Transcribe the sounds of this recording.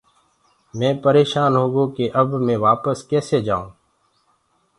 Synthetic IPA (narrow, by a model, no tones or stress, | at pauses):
mɛ̃ːpəɾeːʃaːnɦoːɡõːkeːʔəbmẽːʋaːpəskɛːseːd͡ʒaːõ̰ː